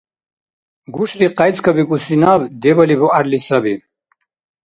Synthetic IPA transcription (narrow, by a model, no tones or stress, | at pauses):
ɡuʂliqajt͡skʰɐbikʼusinabd̪ebɐlibuʔaɾlisɐbi